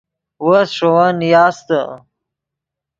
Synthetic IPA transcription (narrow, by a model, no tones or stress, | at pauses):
wosʂowanjɑːst̪ə